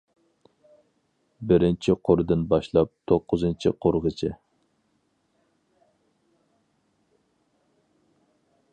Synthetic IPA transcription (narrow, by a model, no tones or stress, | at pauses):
bɪɾɪnt͡ʃʰiqʰoɾɨd̪ɨnbɑʃlˠɑp̚t̪ʰoqːʊzɨnt͡ʃʰiqʰoɾʁət͡ʃʰɪ